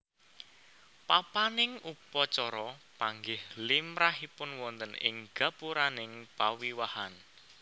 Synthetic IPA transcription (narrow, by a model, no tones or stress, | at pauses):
papanɪŋupɔt͡ʃɔɾɔpaŋɡɪhlimɾaɦipʊnwɔnt̪ənɪ̰ŋɡ̥a̤puɾanɪŋpawiwahan